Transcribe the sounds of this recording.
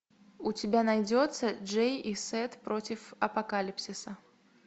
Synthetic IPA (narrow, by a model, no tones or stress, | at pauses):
ʊtʲɪbʲanɐjdʲot̪səʐejisɛt̪pɾotʲɪfɐpɐkalʲipsʲɪsə